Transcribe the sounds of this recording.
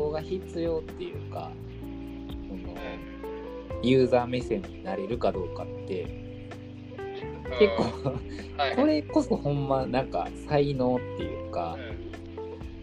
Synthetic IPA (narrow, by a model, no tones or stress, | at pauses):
oːɡaçit͡sɨjo̞ːt̪ːe̞jɯ̟ːka̰ | kono̞̰ | jɯ̟ːzaːme̞sẽ̞ɲ̟ːinaɾe̞ɾɯ̟kad̪o̞ːkat̪ːe̞ | ke̞kːo̞ː | ko̞ɾe̞ko̞so̞hõ̞mːanãŋka̰saino̞ːt̪ːe̞jɯ̟̰ːka